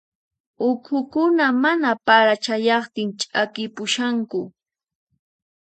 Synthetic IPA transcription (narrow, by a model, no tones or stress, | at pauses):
ʊkʰʊkʊnamanapaɾat͡ʃajɑχt̪ɪŋt͡ʃʼakɪpʊʃaŋkʊ